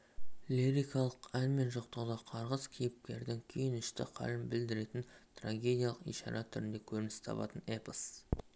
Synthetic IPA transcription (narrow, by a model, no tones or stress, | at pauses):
lʲiɾijkɑlˠəqænme̞nʒoqt̪əʁd̪ɑqʰɑɾʁəz̥kʲʰijɪp̚kʲe̞ɾd̪ɪŋkʲʰejɪnɪʃt̪ɪ̰qʰɑ̰lɪmbɪld̪ɪɾe̞t̪ɪnt̪raɡʲe̞d̪ʲjalˠəqḭjʃɑ̰ɾɑt̪ʰʏɾɪnd̪e̞kʲʰɵɾɪnɪst̪ʰɑ̰pɑ̰t̪ənepəs